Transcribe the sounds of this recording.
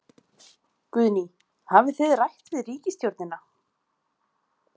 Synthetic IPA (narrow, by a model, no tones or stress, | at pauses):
kʏðni | havɪθʏðrajht̪vɪðriːcɪst̪jowɾt̪nɪna